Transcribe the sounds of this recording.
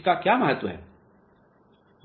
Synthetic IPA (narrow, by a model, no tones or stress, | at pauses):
kakjaːmɐɦət̪ʋəɦɛ̰ː